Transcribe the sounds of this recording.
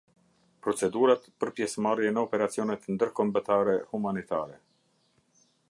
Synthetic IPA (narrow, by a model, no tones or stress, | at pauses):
pɾɔt͡sɛd̪uɾat̪pəɾpjɛsmarjɛnəɔpɛɾat͡siɔnɛt̪nd̪əɾkɔmbət̪aɾɛhumanit̪a̰ɾɛ